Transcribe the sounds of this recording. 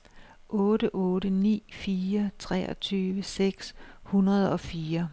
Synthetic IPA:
ʔɔ̽ːɾəʔɔ̽ːɾənḭːfiːɐt͡sʰʁɛ̰ːɒt͡sʰyːʋəseɡ̥shunɐð̞̩ˠɒ̽fiːɐ

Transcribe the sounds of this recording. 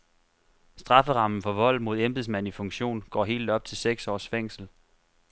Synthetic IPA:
sd̥ʁɑ̈fəʁɑ̈mn̩fɒ̽ʋɒ̽l̰mo̝ð̞ˠemb̥es̬mæn̰ifɔ̽ŋɕo̝̰ːnɡ̥ɒ̰ːɦe̝̰ːld̥ɒ̽b̥̚t͡sʰe̝lseɡ̥sɒ̰ːsfeŋ̰sl̩

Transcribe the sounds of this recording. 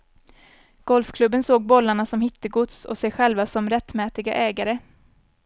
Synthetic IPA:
ɡ̥ɔlfkʰlɵbːənsoːɡ̚bɔlːaɳasɔmhɪt̪ːəɡʊt̪sɔ̰sɛjɧɛlvasɔmɾɛt̪ːmɛːt̪ɪɡa̰ʔɛːɡaɾə

